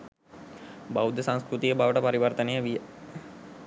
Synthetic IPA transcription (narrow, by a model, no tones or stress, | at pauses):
baud̪əsãŋ̃skɾut̪ijəbaʋəʈəpaɾiʋɐrt̪ənəjəʋijə